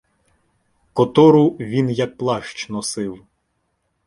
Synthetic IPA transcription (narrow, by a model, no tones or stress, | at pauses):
kɔt̪ɔɾʊʋʲinjɐk̚plˠɑʃt͡ʃnɔsɪw